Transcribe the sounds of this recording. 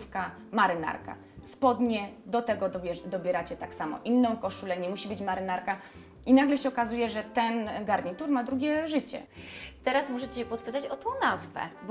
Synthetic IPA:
fka | maɾɘna̰ɾka̰ | spɔd̪ɲɛd̪ɔt̪ɛɡɔbʲɛd̪ɔbʲjɛɾat͡ɕɛt̪aksamɔ̰ʔinːɔ̃w̃kɔʂulɛɲɛmuɕibɘt͡ɕmaɾɘnaɾka | inaɡlɛɕɛɔkazujɛʐɛt̪ɛnɡaɾɲit̪uɾmad̪ɾuɡʲɛʐɘt͡ɕɛ̰t̪ɛɾasmuʐɛt͡ɕɛpɔt̪̚pɘt̪at͡ɕɔt̪ɔ̃w̃nazvɛ̰b

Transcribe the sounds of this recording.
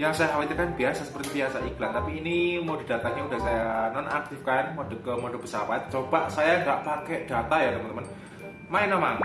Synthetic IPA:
jaŋsajaɦawat̪akanbiasasə̥pərt̪ipiasaiɡlant̪apiːnimodi̤d̥a̤t̪aɲaudahsajananak̚t̪ifkaɛnmod̥ə̤kəmodob̥əsapat̪̚t͡ʃob̥aʔsajaŋɡaʔpakɛʔd̥at̪ajat̪əmənt̪əmən | maɪnamaŋ

